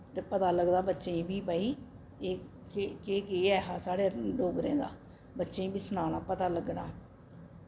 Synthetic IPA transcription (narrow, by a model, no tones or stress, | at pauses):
t̪eːpət̪aːləɡd̪aːbətːʃẽĩbiːpaːiː | eː | kekeːkeːɛːɦaːsaːɽeːloːɡɾḛ̃ːd̪a̰ː | bətːʃeĩːbiːsənaːnaːpət̪aːləɡnaː